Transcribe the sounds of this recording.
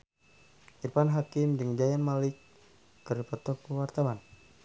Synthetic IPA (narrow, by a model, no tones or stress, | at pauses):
ʔirpanɦakimdɨŋd͡ʒajanmalɪkː | əripɔt̪ɔk̚əwart̪awan